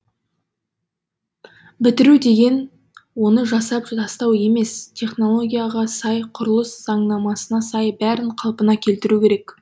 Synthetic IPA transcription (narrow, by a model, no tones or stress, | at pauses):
bɪt̪ɪɾud̪e̞ɡʲe̞n | wo̞nəʒɑsɑpɑst̪ɑwe̞me̞st̪ʲʰe̞χno̞lˠo̞ɡʲijɑʁɑsɑjqʰʊɾəlˠəsz̥ɑɴnɑmɑsənɑsɑjbæɾɪɴqʰɑlˠpənɑkʲʰe̞lt̪ɪɾukʲʰe̞ɾe̞k